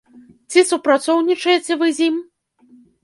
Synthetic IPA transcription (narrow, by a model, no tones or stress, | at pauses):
t͡sʲisupɾat̪sɔwnʲit͡ʂɐjet͡sʲɛvɨzʲim